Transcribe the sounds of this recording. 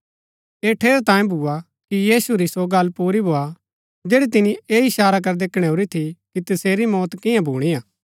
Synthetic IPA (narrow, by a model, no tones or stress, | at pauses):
eːʈʰeːɾt̪ãːẽbʱua | kijiːsuɾisoɡɐlːpuːɾibʱoːa | d͡ʒeːɽit̪ɪnieːɪʃaːɾak̬ɐɾd̪eːkʰɽ̃eoːɾit̪ʰikit̪ɐseːɾimɔːt̪kɪ̃jãbʱuːɽ̃ijaː